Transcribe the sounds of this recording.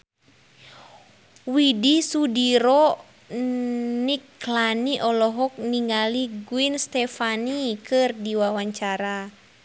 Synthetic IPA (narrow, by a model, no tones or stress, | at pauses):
widisudiɾɔ | niklaniʔɔlɔɦɔk̚niŋɡaliɡuinst̪ɛfanikɨrdiwawaɲt͡ʃaɾa